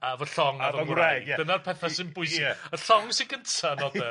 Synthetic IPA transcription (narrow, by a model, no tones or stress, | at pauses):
avəɬɔŋavɔadənarpʰɛθasɪnbʊɨsɪəɬɔŋsiɡəntʰanɔðɛ